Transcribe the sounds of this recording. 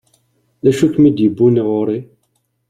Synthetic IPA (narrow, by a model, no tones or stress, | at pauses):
ðæʃukmid̪jəbːuniʁʊɾi